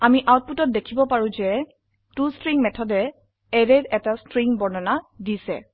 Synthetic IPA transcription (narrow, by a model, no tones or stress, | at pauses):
amiʔawt̚putɔt̚dekʰibɔpaɹũzɛ | tustɹiŋmɛtʰɔdɛ | ɛɹɛɹɛtastɹiŋbɔɹnɔnadisɛ̰